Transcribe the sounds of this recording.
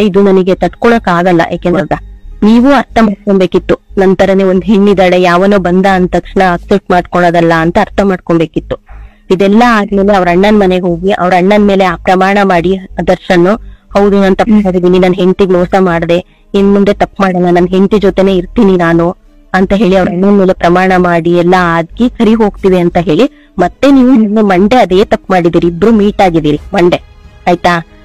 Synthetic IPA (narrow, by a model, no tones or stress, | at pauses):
id̪unɐniɡe̞t̪ɐʈkɔɭoːkaːɡɐlːɐ̰ʔjaːkenɾɐd̪aniːʋuɐɾt̪ʰɐmaːɽ̚koɳbeːkit̪ːunɐnt̪ɐɾɐneond̪uɦeɳːid̪aːɽejaːʋɐnuːbɐnd̪aːnt̪ɐkʂɳɐːksep̚ʈmaːɽkɔɭoːd̪ɐlːɐːnt̪ɐːɾt̪ʰɐmaːɽkoɳbe̞ːkit̪ːu̥ | id̪ɛlːɐaːd̪me̞ːle̞ɐʋɾɐɳːɐnmɐne̞ɡeɦoːɡiʔɐ̰ʋɐɾɐɳːɐnme̞ːle̞aːpɾɐmaːɳɐmaːɽiɐd̪ɐɾʃɐnːuhɐwd̪unaːnt̪ɐpːmaːɽid̪iːninaːnɦe̞nt̪iɡɭoːsɐmaːɽd̪e̞ | ind̪mund̪et̪ɐpːmaːɽɐnːanɐnɦe̞nt̪id͡ʒot̪e̞ne̞ːiɾt̪iːninaːnu | ɐnt̪ɐɦe̞ːɭiɐʋɾɐɳːɐnmeːlepɾɐmaːɳɐmaːɽiɛlːɐaːd̪̚kikʰɐɾiɦo̞ːɡt̪iʋiɐnt̪ɐɦe̞ːɭi | mɐt̪ːe̞niːʋunimːemɐɳɖe̞ɐd̪e̞ːt̪ɐpːmaːɽid̪iːɾiːbɾumiːʈaːɡid̪iːɾimɐɳɖe̞ɐjt̪aː